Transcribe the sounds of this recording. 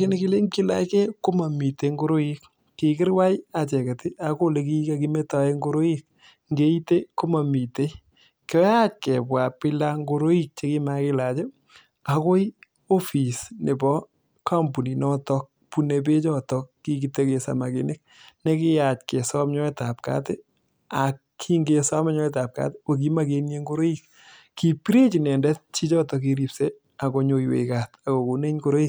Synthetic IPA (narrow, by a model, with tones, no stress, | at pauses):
ɪ˦ne˦ki˦le˦ŋki˦la̰˨˦ke˦ko˦ma˨mi˨te˨ŋɡo˦ɾo˦i˦k | kːɪ˨kɪ˦ɾwa˦ja˨t͡ʃɛ˨ka˨ti˦ʔa˦ko˦le˨ki˦ka˦ki˦me˦ta˨e˦ŋɡo˦ɾo˦ji˦k̚ | ŋɡe˦i˦te˦ko˦ma˨mi˨te˦ | kɔ˦ja˦t͡ʃ̚kɛ˨pwa˨pɪ˦la˦ŋɡo˧ɾo˦i˦k̚t͡ʃe˦kɪ˦ma˨kɪ˦la˨t͡ʃe˦ | a˨ko˦i | o˦fi˨sne˨bɔ˦ | ka˦mpu˨ni˨nɔ˦tɔ˦k̚ | pu˨ne˨p̬e˦t͡ʃɔ˦tɔkːi˦ki˨te˦ke˨sa̰˨ma˨ke˨ne˦k̚ | ne˦kɪ˦ja˨t͡ʃke˨sɔ˦m˦ɲɔ˦ɛ˦ta˨p̚ka̰˦tɪ˦ | a˨kːʰi˦ŋɡe˨sa˦mɛ˦ɲɔ˦ɛ˦ta˨p̚ka̰˦te˦o˨k̬i˦ma˦ke˦ne˦ŋɡo˦ɾo˦i˦k̚ | ki˨pi˦ɾe˦t͡ʃi˨nɛ˨ndɛ˦t̚t͡ʃi˦t͡ʃɔ˦tɔ˨k̬i˦ɾi˨pse˦ | a˨ko˨ɲo˨jwḛ˨ka˨ta˨ko˨ko˨ne˦ɲko˦ɾo˦i˦k̚